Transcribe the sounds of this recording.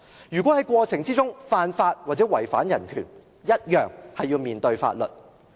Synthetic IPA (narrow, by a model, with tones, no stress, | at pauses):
jyː˨˩kʷwɔː˨˥hɐ˨˥jkʷɔː˧t͡sʰɪ˨˩ŋt͡siː˥t͡sʊ˥ŋfaː˧nfaː˧t̚waː˨t̚t͡sɛː˨˥wɐ˨˩jfaː˨˥njɐ˨˩nkʰyː˨˩n | jɐ˥t̚jœː˨ŋhɐ˨jːiː˧wmiː˨˩nt̪ɵ˧ɥfa̰ː˧t̚lɵ̰˨˩t̚